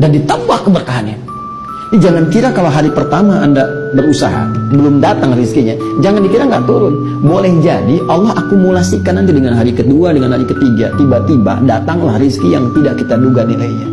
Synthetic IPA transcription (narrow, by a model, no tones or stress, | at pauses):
dandit̪əmpakːəbərkaɦanɲa | did͡ʒaŋankiɾakaloɦaɾipərt̪amaʔandabəɾusa̰ɦa̰bəlʊmdat̪aŋriskiɲad͡ʒaŋanikiɾaŋɡaʔt̪uɾʊn | bolɛhd͡ʒadiʔɑlːɔɦakumulasikanːant̪idəŋanɦaɾikəduadəŋanɦaɾikət̪iɡa̰t̪ibat̪iba̰dat̪aŋla̰hriskijaŋt̪idaʔkit̪aduɡaniʔaiɲa